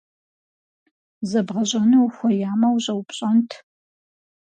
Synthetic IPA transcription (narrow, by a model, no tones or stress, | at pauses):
zɐbʁɐɕʼɐnɨwxʷɔjaːmɐwɕʼɐwpʼɕʼɐntʰ